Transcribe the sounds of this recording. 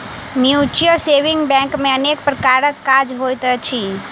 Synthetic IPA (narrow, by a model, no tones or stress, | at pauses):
mjut͡ʃəɾseʋɪ̃ŋɡbɛ̃ŋkmẽənek̚pɾəkaɾəkːad͡ʒɦojt̪ət͡ʃʰi